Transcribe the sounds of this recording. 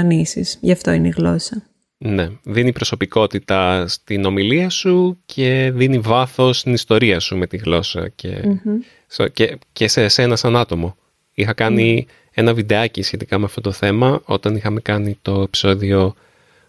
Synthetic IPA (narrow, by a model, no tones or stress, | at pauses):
nisisʝɐft̪oineiɣlo̞sɐ | ne̞ðinipɾo̞so̞piko̞t̪it̪ɐst̪ino̞miliɐsucʰe̞ðinivɐθo̞st̪inist̪o̞ɾiɐsume̞t̪iɣlo̞sɐ̰ce̞̰ | scecesesenɐsɐnɐt̪o̞mo̞ | ixɐkɐni | e̞nɐvid̪eɐcisçe̞t̪ikɐmeɐft̪o̞t̪o̞θe̞mɐo̞̰t̪ɐnixɐme̞kɐnit̪o̞epi̥so̞ðio̞